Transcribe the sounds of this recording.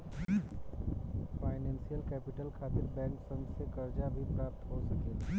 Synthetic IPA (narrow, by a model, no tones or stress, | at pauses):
faːɪnɛ̃ːnsijəlkɛːpɪʈəlkʰaːt̪ɪlbɛ̃ːŋksɐmsekɐɾd͡ʒabʱipɾaːp̚t̪ɦosɐke